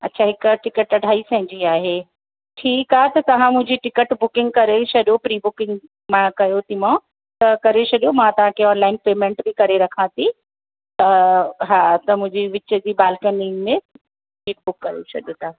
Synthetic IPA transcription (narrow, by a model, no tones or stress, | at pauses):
ɐtːt͡ɕʰaːɦɪkʈɪkəʈɐɖʱaːisɐ̃ɦɪ̃ɲd͡ʑiaːɦeː | ʈʰiːkaːɦet̪ɐt̪ɐʋ̤ãmʊ̃ɦɪ̃ɲd͡ʑiʈɪkəʈbʊkɪ̃ŋɡ̚kɐɾet͡ɕʰɐɗjopɾiːbʊkɪ̃ŋɡ | mãkɐjot̪ʰimã | t̪ɐkɐɾet͡ɕʰɐɗjomãt̪ɐʋ̤ãkʰeɔːnlaːɪnpeːmẽːɳʈbikɐɾeɾɐkʰãt̪ʰi | t̪ɐɦaːt̪ɐmʊ̃ɦɪ̃ɲd͡ʑiʋɪt͡ɕəd͡ʑiːɓaːlkəniːnmẽ | iːʈ̚bʊkːɐɾjo̰t͡ɕʰɐ̰ɗjot̪ɐ̃